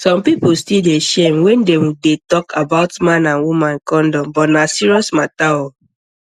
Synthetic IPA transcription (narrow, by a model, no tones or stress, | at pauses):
sɔ̃mpipustildeʃemwɛ̃ndɛmdetɔkʰabaʊtmãnãnwumãnkɔ̃ndɔmbɔtnasiɹiɔsmatao